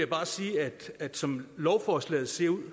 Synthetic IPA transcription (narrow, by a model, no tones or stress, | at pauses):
jab̥ɑ̈ːsiːæd̥æd̥sɒ̽mlɒʊfɒːslɛ̰ːð̞̩ˠse̝ɐ̰uð̰ˠ